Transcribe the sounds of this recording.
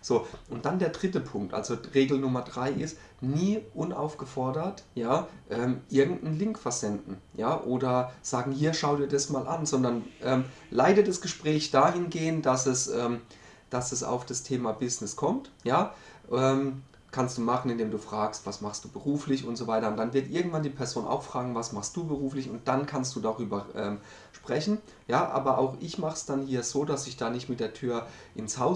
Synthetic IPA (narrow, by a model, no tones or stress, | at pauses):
z̥oːʔʊntd̥andeːɐdʁɪtəpʰʊŋk̚tʔa̰lz̥oʁeːɡl̩nʊmɐdʁaɪʔɪst | niːʔʊnʔa̰ʊfɡ̥əfɔɐdɐtjaːʔɛːmʔɪɐɡŋ̩tn̩lɪŋkfɛɐzɛndn̩jaːʔoːdɐz̥aːɡŋ̩hiːɐʃaʊdiːɐdasmaːlʔa̰nzɔndɐnʔɛːm | laɪdəd̥asɡ̥əʃpʁ̥ɛːçd̥aːhɪnɡeːəntd̥asɛsʔɛːm | d̥asɛsa̰ʊfd̥astʰeːmabɪsnɪskʰɔmtjaːʔɛːm | kʰanstd̥uːmaχn̩ɪndeːmduːfʁ̥aːkstv̥asmaχstd̥uːbəʁuːflɪçʊntz̥ovaɪtɐʊntd̥anvɪɐtʔɪɐɡŋ̩tv̥andiːpʰɛɐzoːnʔa̰ʊxfʁ̥aːɡŋ̩vasmaχstd̥uːbəʁuːflɪçʊnt̚d̥ankʰanstd̥uːdaːʁyːbɐʔɛːm | ʃpʁ̥ɛçn̩ | jaːʔa̰ːbɐʔaʊxʔɪçmaχə̥sd̥anhiːɐzoːdasɪçd̥aːnɪçtmɪt̚d̥eːɐtʰyːɐʔɪnshaʊ